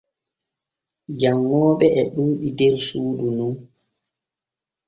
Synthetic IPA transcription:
d͡ʒaŋːɔːɓɛʔɛɗuːɗidɛɾsuːdunun

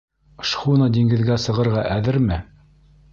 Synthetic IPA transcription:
ʃχunɑd̪ʲiŋɡɘ̆ðɡæsɤ̆ʁɤ̆ɾʁɑʔæðɘɾmɘ

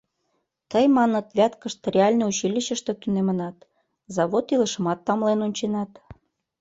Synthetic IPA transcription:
t̪əjmɑnət̪βʲæt̪kəʃt̪rʲeɑlʲneut͡ɕilʲiɕə̆ʃt̪ĕt̪unemə̆nɑt̪ | zɑβot̪ilə̆ʃə̆mɑt̪ːɑmlenonʲt͡ɕenɑt̪

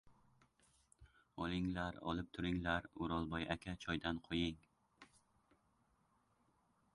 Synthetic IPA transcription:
ɒlˠɪŋlaɾɒ̰lˠɪp̚t̪ʰʊɾɪŋlaɾʊɾɒlˠbɒjʔakʲʰat͡ʃʰɒjd̪anqʰojɪŋ

